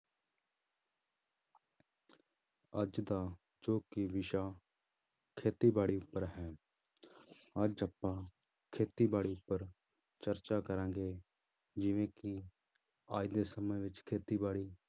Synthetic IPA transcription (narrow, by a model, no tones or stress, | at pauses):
əd͡ʒd̪aː | d͡ʒoːkiʋɪʃaː | kʰeːt̪iːbaːɽiːʊpːəɾɦɛː | əd͡ʒəpːãː | kʰeːt̪iːbaːɽiːʊpːəɾ | t͡ʃəɾt͡ʃaːkəɾãːɡeː | d͡ʒɪʋẽːki | aːid̪eːsəməjʋɪt͡ʃkʰeːt̪iːbaːɽiː